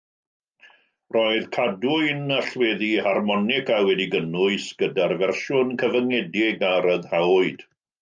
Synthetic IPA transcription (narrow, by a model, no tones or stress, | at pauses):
rɔɨð̥kʰadʊɨnaɬwɛːðiharmɔnɪkʰawɛdiɡənʊɨsɡ̥ədarvɛrʃʊnkʰəvəŋɛdɪɡaɾəðhawɨd̥